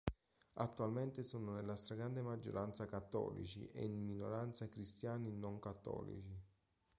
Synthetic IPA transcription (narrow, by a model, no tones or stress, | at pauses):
a̰t̪ːualment̪ɪsoːnonelːast̪ɾaɡɾand̪emad͡ʒːo̰ɾʔant̪sakat̪ːɔ̰ːlḭt͡ʃḭʔḛnmino̰ɾant̪sakɾist̪jaːninoŋkat̪ːɔ̰ːlḭt͡ʃi